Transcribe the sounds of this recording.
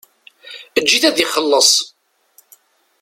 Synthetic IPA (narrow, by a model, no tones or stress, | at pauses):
əd͡ʒːiθæðiχəlːəsˤ